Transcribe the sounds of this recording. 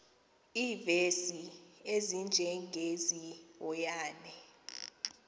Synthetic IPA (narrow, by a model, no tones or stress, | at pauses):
iːvesiezind͡ʒʱɛŋɡʱeziwɔjaːnɛ